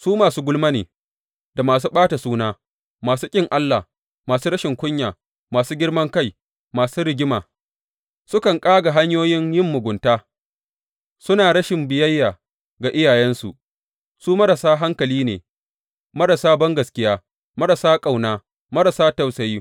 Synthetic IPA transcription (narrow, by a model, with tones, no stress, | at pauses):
suː˦maː˨suː˦ɡʷʊ˦lma˦nḛː˨ | da˨maː˨s̬uː˦ɓaː˦ta˨suː˦naː˦ | maː˨suː˦kʲʼɪ˦˨ŋʔa˦lːa̰˨ | maː˨suː˦ɽɐ˦ʃɪ˨ŋkʷʊ˦ɲjaː˨ | maː˨suː˦ɡʲɪ˦ɽmɐ˦ŋka˦j | maː˨suː˦ɾɪ˨ɡʲɪ˦ma̰ː˨ | sʊ˦kɐ˨ŋkʼaː˦ɡa˨ɦa˦ɲjoː˦jɪ˦ŋjɪ˦˨mːʊ˨ɡʷʊ˨ntaː˦ | sʊ˦naː˨ɾɐ˦ʃɪ˨mbɪ˨jɐ˦jːaː˨ | ɡa˨ʔɪ˦jaː˨jɛ˦nsu˨ʔ | suː˦mɐ˦ɾɐ˨saː˦ɦa˦ŋkɐ˨liː˦nḛː˨ | mɐ˦ɾɐ˨saː˦bɐ˦ŋɡɐ˨skʲɪ˦jaː˦ | mɐ˦ɾɐ˨saː˦kʼa˨wnaː˦ | mɐ˦ɾɐ˨saː˦tɐ˨wsɐ˨jiː˦